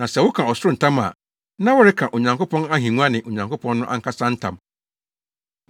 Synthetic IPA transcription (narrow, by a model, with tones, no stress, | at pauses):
nã˨sɛ˨wʊ˦kʰã˨ɔ˨sʊ˦ɾʊ˦n̩˨tʰã˦ma̰˨ | nã˦wʊ˦ɾɪ˦kʰã˨ʔo˨ɲã˨ŋko˦pʰɔ̃˦na˦ɦĩ˨ŋũ˦a˦nɪ̃˨ʔo˨ɲã˨ŋko˦pʰɔ̃˦nː˦ʊ̃˦ʔa̰˦ŋ̩˦kʰa˦sã˦n̩˦tʰã̰˨m